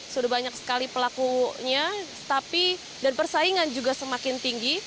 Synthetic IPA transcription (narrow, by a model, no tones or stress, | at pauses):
sudabaɲaksə̥kalipəlakuɲa | t̪api | danpərsaiŋand͡ʒuɡasəmakɪnt̪iŋɡi